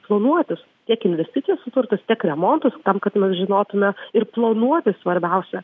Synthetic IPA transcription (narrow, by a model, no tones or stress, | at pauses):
plˠɐnuɔt̪ʲɪs | t̪ʲiɛkɪnʲʋʲɛsʲt̪ʲɪt̪sʲɪjɛssʊt̪ʊrt̪ɐst̪ʲiɛkɾʲɛmoːnt̪ʊst̪ɐmkɐt̪mʲɛsʒʲɪnoːt̪ʊmʲɛɪrplˠonuɔt̪ʲɪsʋɐɾʲbʲɛʊsʲɛ